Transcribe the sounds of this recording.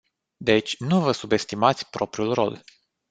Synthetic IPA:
d̪e̞t͡ʃʲnuvəsube̞st̪imat̪sʲpɾo̞pɾiulro̞̰l

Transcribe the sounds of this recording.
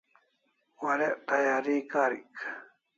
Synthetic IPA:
waɾeʔt̪ajaɾiːkaɾḭk

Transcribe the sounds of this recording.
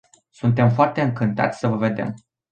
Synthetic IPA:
sunt̪̬e̞mfoart̪e̞ɨŋkɨnt̪a̰t̪sʲsəvəve̞d̪e̞̰m

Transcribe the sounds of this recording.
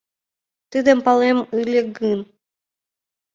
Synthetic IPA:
t̪ɨd̪empalˠɛmɨlʲeɡɨn

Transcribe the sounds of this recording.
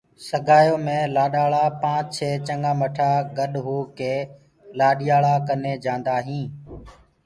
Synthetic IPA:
səɡʱaːjoːmẽːlaːɗaːɭaːpãːt͡ʃt͡ʃʰeːt͡ʃəŋɡãːməʈʰaːɡəɗɦuːkeː | laːɗɪjaːɭaːkəneːd͡ʒãːnd̪aːɦĩː

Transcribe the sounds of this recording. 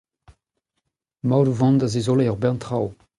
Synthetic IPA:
mawɾuvɑ̃nd̪azezoleɔʁbɛʁntχaw

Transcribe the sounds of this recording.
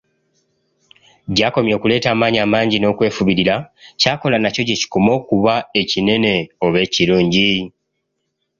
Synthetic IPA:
ɟaːko̞mjo̞ːkule̞ːtaːmaːɲaːmaːɲɟino̞ːkwe̞ːfuβiɾiɾacaːko̞lanaco̞ceci̥kumo̞ːkuβae̞cine̞ne̞o̞βe̞ːciɾuːɲɟi

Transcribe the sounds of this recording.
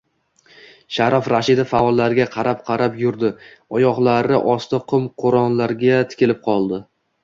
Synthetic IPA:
ʃaɾafɾaʃɪd̪afaɒlˠːaɾɡʲaqʰɑɾap̚qʰɑɾapjʊɾd̪ɪɒjɒʁlˠaɾɪʔɒst̪ɪqʰʊmqʰoɾɒnlaɾɡʲat̪ʰɪ̥kʲʰɪlɪp̚qʰɒlˠd̪ɪ

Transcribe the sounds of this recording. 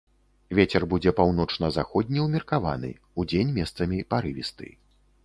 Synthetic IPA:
vʲet͡sʲɛrbud͡zʲɛpawn̪ɔt͡ʂnɐzaxɔd̪̚ʲnʲiwmʲirkava̰nɨ̰ | ud͡zʲenʲmʲɛst̪sɐmʲipaɾɨvʲist̪ɨ̰

